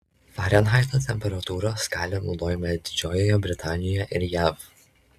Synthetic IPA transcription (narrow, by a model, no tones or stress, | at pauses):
fɑːɾʲɛnɦɑɪt̪ot̪ʲɛmʲpʲɛɾɐt̪uːɾoːskɑːlʲenɒʊd̪oːjɛmɐd̪ʲɪd͡ʒʲoːjojobʲɾʲɪt̪ɑːnʲɪjjɛʔɪɾjæːf